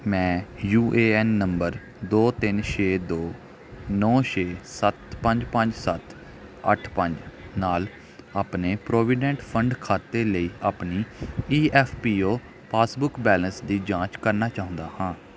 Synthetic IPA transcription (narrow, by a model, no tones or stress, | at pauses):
mɛ̃ːjuːʔeːɛːnːəmbəɾ | d̪oːt̪ɪnʃeːd̪oː | nɔːʃeːsət̪pəɲd͡ʒpəɲd͡ʒsət̪ | ə̰ʈʰpəɲd͡ʒnaːl | aːpneːpɾoːʋɪɖɛ̃ːɳʈpʰəɳɖkʰaːt̪eːləiːaːpniːiːɛːfʰpiːoː | pʰaːsbʊkbɛːlənsd̪iːd͡ʒãːt͡ʃkəɾnaːt͡ʃaːɦʊ̃nd̪aːhãː